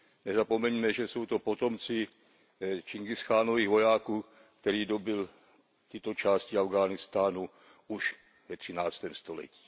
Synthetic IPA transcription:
nɛzapo̞mɛɲmɛʒɛso̞wt̪o̞po̞t̪o̞mt͡sɪ | t͡ʃɪŋɡɪstaːno̞viːɣvo̞jaːkuːk | kt̪ɛɾiːdo̞bɪl | t̪ɪt̪o̞t͡ʃaːscɪavɡaːnɪst̪aːnu | uʃ | vɛt̪r̝̥ɪnaːt͡st̪ɛːmst̪o̞lɛ̰ci̥ː

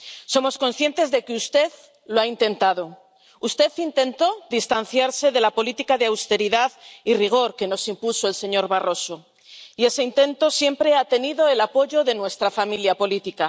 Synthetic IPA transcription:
so̞mo̞sko̞nsθje̞nt̪e̞zðe̞keust̪e̞ð | loaint̪e̞nt̪aðo̞ | ust̪e̞θint̪e̞nt̪o̞ðist̪anθjaɾse̞ðe̞lapo̞lit̪ikaðeawst̪e̞ɾiðaðiriɣ̞o̞ɾke̞no̞simpuso̞e̞lse̞ɲo̞ɾβaro̞so̞ | ie̞se̞int̪e̞nt̪o̞sje̞mpɾe̞at̪e̞niðo̞elapo̞ʝo̞ðe̞nwe̞st̪ɾafamiljapo̞lit̪ika

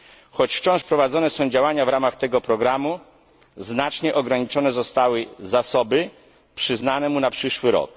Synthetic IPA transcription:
xɔt͡ɕft͡ɕɔ̃ʂpɾɔvad̪zɔnɛsɔ̃w̃d͡ʑawaɲavɾamaxt̪ɛɡɔpɾɔɡɾamu | znat͡ʂɲɛʔɔɡɾaɲit͡ʂɔnɛzɔst̪awɘzasɔbɘ | pʂɘznanɛmunapʂɘʂwɘɾɔ̰k

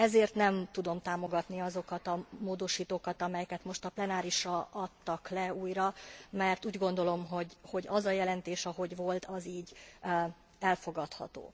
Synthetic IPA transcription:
ɛzeːrt̪nɛmt̪ud̪o̞mt̪aːmo̞ɡɒt̪niɒzo̞kɒt̪ɒmoːd̪o̞ʃiːt̪oːkɒt̪ɒmɛjɛkɛt̪mo̞ʃt̪ɒplɛnaːɾiʃɒɒt̪ːɒklɛuːjrɒmɛrt̪uːɟɡo̞nd̪o̞lo̞mɦo̞ɟho̞ɟɒzɒjɛlɛnt̪eːʃɒɦo̞ɟʋo̞lt̪ɒziːɟ | ɛlfo̞ɡɒt̪hɒ̰t̪o̰ː

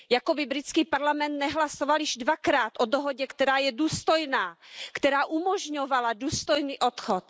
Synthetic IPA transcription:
jakobɪbɾɪt͡skiːpaɾlamɛnt̪nɛɦlasovaljɪʒdvakɾaːt̪ʔodoɦoɟɛkt̪ɛɾaːjɛduːst̪ojnaːkt̪ɛɾaːʔumoʒɲovaladuːst̪ojniːʔot̪xot̪

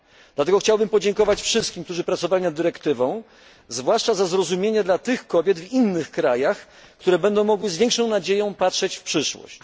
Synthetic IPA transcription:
d̪̥lat̪ɛɡɔxt͡ɕawbɘmpɔd͡ʑɛŋkɔvat͡ɕfʂɘst̪kʲimk̚t̪uʐɘpɾat̪sɔvalʲinad̪ːɘɾɛkt̪ɘvɔ̃w̃ | zvwaʂt͡ʂazazɾɔzumʲjeɲɛd̪lat̪ɘxkɔbʲjɛd̪vinːɘxkɾajax | kt̪uɾɛbɛnd̪ɔ̃w̃mɔɡwɘzvʲɛŋkʂɔ̃w̃nad͡ʑejɔ̃w̃patʂɛt͡ɕfpʂɘʂwɔ̰ɕt͡ɕ

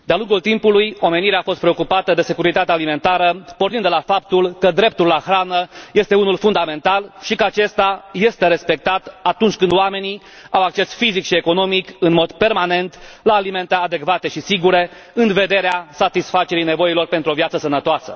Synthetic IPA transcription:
d̪ealuŋɡult̪impulujo̞me̞niɾeaːfo̞st̪̚pɾe̞okupat̪əd̪e̞se̞kuɾit̪at̪ealime̞nt̪aɾəpornind̪elafap̚t̪ulkəd̪ɾe̞p̚t̪ulːaxɾanəje̞st̪e̞unulfund̪ame̞nt̪alʃikəat͡ʃe̞st̪aje̞st̪e̞ɾe̞spe̞k̚t̪at̪at̪unt͡ʃʲkɨnd̪oame̞ni | awak̚t͡ʃe̞sfizikʃie̞ko̞no̞mikɨnmo̞d̪pe̞rmane̞nt̪laːlime̞nt̪ead̪e̞kvat̪e̞ʃisiɡuɾe̞ | ɨnve̞d̪e̞ɾeasat̪isfat͡ʃe̞ɾijne̞vo̞ilo̞rpe̞nt̪ɾuovjat̪səsənət̪oasə̰

